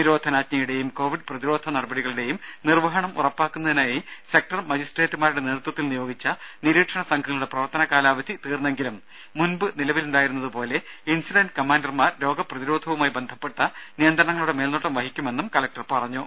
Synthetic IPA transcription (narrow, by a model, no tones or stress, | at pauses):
niɾo̞ːd̪ʱɐnaːt͡ɕɲɐjuɽe̞jumko̞ːʋiɖprɐðiɾo̞ːd̪ʱʰɐnɐɽɐbɐɽiɣɐɭiɽe̞jumnirʋɐɦɐɳɐmṵrɐpːaːkːunːɐðinaːjise̞k̚ʈɐrmɐd͡ʑisʈreːʈːumaːɾuɽe̞neːrut̪wɐt̪ːilnijo̞ːɡit͡ɕːɐniɾiːkʂɐɳɐsɐŋɡʰʱɐŋɐɭuɽe̞prɐʋɐrt̪ɐnɐkaːlaːʋɐd̪ʱit̪iːrnːe̞ŋɡilumː | unbɨnilɐʋiluɳɖaːjiɾunːɐðɨpo̞ːle̞insiɖɐnɖkɐmaːnɖɐrmaːɾɾo̞ːɡɐprɐðiɾo̞ːd̪ʱɐʋumaːjbe̞nd̪ʱɐpːe̞ʈːɐnijɐnd̪ɾɐɳɐŋːɐɭuɽe̞me̞ːlnoʈːɐmʋɐɦikʲːume̞nːumkɐlɐk̚ʈɐrpɐrɐɲːu